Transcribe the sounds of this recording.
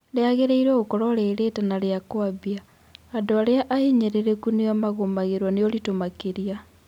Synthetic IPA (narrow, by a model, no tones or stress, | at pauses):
leaɣeɾeiɾeɣokoɾoɾeɾetanaɾeakwaβjaː | doaɾeaʔaheɲeɾeɾekuniamaɣomaɣeɾwaneoɾitomakeɾia